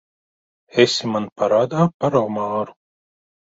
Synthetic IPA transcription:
esimanpaɾaːd̪aːpaɾawmaːɾu̥

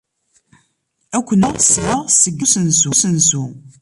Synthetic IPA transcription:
ækʷːənəʁsʕəʁsəɡːusənsusənsu

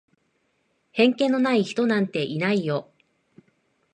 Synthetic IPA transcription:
hẽ̞ŋkẽ̞nːo̞naiçi̥t̪o̞nãnt̪e̞ʔinaijo̞

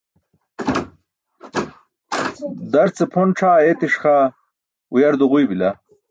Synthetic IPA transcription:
d̪ɐɾt͡sepʰonʈ͡ʂʰaːet̪iʂxaː | ujɐɾd̪uʁujbila

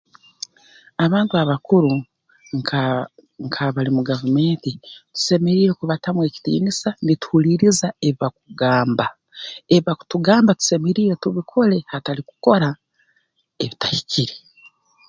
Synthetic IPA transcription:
aβaːntuaβakuɾu | ŋkʰaβalimuɡavume̞ːntitu̥se̞me̞ɾiːɾekuβatamwe̞ːci̥tḭːnisanitu̥huliɾizae̞βiβak̚uɡaːmba | e̞βiβakutuɡaːmbatu̥se̞meɾiːɾetuβikʰo̞le̞hataliku̥ko̞ɾa | eβitahiciɾe

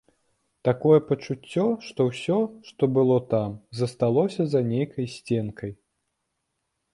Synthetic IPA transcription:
t̪akɔjɛpɐt͡ʂut͡sʲːɔʂt̪ɔwsʲɔʂt̪ɔbɨlˠɔt̪amzɐst̪alˠɔsʲɐzɐnʲejkʰɐjsʲt͡sʲɛnkʰɐj

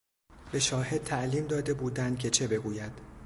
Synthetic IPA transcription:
b̥e̞ʃɒːhe̞d̪̚t̪ʰæʔliːmd̪ɒːd̪e̞buːd̪ænd̪̥̚kcʰe̞t͡ʃʰe̞be̞ɡuːjæd̪̥

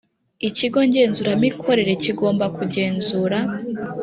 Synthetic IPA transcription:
iciɡo̞ɲɟe̞ːnzuɾamikʰo̞ɾe̞ɾe̞ciɡo̞ːmbakuɟe̞ːnzuɾa

